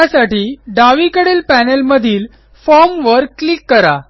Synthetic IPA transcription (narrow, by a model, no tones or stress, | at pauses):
asaʈiːɖaʋikəɽelpænelməd̪ʱiːl | fɔɾmʋəɾlikːəɾa̰